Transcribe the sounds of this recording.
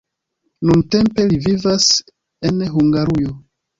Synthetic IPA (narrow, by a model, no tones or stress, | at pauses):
nunte̞mpe̞livivas | e̞nɦuŋɡaɾujo